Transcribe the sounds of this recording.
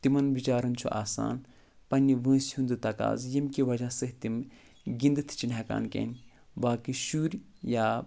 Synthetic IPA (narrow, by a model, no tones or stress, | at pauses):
t̪imɐnbit͡ʃaːɾɐnt͡ʃʰṵʔaːsa̰ːn | pɐnʲːiʋə̃ːshũnd̪ɨt̪ɐka̰ːzjɐmkʲiʋɐd͡ʒasɨɦt̪im | ɡʲind̪ɨt̪ʰt͡ʃinʲɦaka̰ːnkʲḛn | baːkɨʃuːɾʲ | jaː